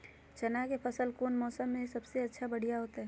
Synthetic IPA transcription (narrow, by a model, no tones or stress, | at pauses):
t͡ʃɐnakepʰɐsəlkoːnmɔːsəmːẽisɐbseɐtːʃʰabɐɽ̤ijaɦoːt̪aɦɛː